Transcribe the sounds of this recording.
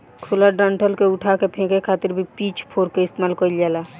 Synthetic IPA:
kʰʊlaɖə̃ɳʈəlkeʊʈʰakepʰẽːkekʰaːt̪ɪɾbʱipiːt͡ʃʰpʰoːɾkeɪst̪emalkəɪld͡ʒaːla

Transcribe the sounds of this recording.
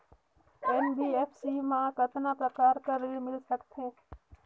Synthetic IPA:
ɛnbiːeːpʰsiːmãkət̪napɾəkaːɾkəɾemɪlsəkt̪ʰɦẽː

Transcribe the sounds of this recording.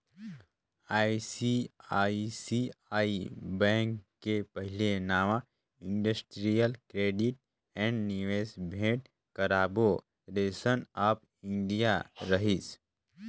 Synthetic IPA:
aːisiaːisiaːibɛ̃ːŋkːepəɦɪlenaːʋã | ɪ̃ɳɖəsʈɾijəlkɾeːɖɪʈ̚ | ɛ̃ːɳɖniʋeːsbʱeːʈ̚ | kɐɾaːbo | ɾeːsənaːp | ɪ̃nɖijaɾəɦis

